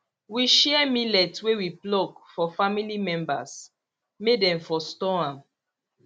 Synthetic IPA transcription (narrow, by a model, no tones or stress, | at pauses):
wiʃɛmilɛtwewiplɔɡfɔfamilimɛ̃mba̰s | medɛ̃ɱfɔstɔãm